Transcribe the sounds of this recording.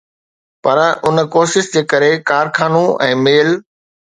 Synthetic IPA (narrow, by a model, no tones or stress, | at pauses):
pɐɾʔʊn̆koːʃɪʃd͡ʑeːkɐɾekaːɾkʰaːnũɛ̃ːmeːl